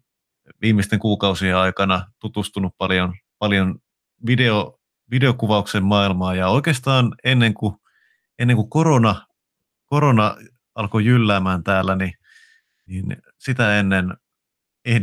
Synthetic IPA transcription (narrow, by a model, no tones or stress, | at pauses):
ʋiːmːist̪eŋkuːkɑusieɑikɑnɑt̪ut̪ust̪unuppɑljonpɑljon | ʋideo | ʋideokuʋɑuksemmɑilmɑːjɑoikeːst̪ɑːnenːeŋku | enːeŋkukoɾonɑ | koɾonɑ | ɑlkojylːæːmæːnt̪æːlːæni | nin | sit̪æenːen | e